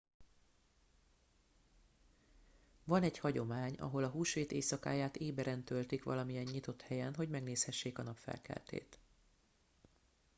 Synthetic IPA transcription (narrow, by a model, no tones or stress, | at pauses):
vɒnɛɟhɒɟo̞maːɲɒ̰ɦo̞lɒɦuːʃʋeːt̪eːsɒka̰ːjaːt̪eːbɛɾɛnt̪ølt̪ikʋɒ̰lɒmijɛɲːit̪o̞t̪hɛjɛnɦo̞ɟmɛɡneːshɛʃːeːkɒnɒpfɛ̰lkɛ̰lt̪ḛːt̪